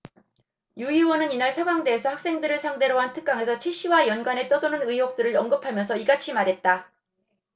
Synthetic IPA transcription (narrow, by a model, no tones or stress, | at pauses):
juiwʌnɯninaɭsʰaɡwaŋde̞ːsʰʌhak̚s͈e̞ŋdɯɾɯɭsʰaŋde̞ɾʌɦantʰɯ̥k͈̚aŋɦe̞sʰʌt͡ɕʰiɕ͈iwajʌnɡwane̞t͈ʌdonɯnɯiɦok̚t͈ɯɾɯɾʌŋɡɯpʰamjʌnsʰʌiɡat͡ɕʰimaɾɦet̚t͈a